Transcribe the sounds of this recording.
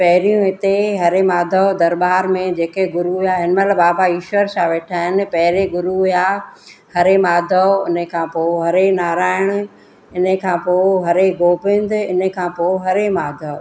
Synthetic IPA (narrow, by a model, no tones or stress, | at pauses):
pɐɦɪɾijũɦɪt̪eɦɐɾemaːd̪ʱəd̪ɐɾɓaːɾmẽd͡ʑeːkeɡʊɾuɦijaːɦɪnmət̪ləbaːbaiːʃʋəɾsãʋeːʈʰaːɦɪnɪ̆pɐɦɪɾeɡʊɾuɦijahɐɾemaːd̪ʱəʊnə̆kʰãːpoːɦɐɾenaːɾaːɪɽ̃ʊ̆ | ɪnə̆kʰãːpoːɦɐɾeɡoːpɪ̃n̆d̪ɪɪnə̆kʰãːpoːɦɐɾemaːd̪ʱə